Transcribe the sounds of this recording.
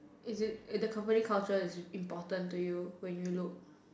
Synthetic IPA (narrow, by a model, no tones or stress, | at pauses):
ɪzɪt̚dəkʰãmpənikʰalt͡ʃəɪsĩmpɔtə̃ntujuwɛ̃njulʊk̚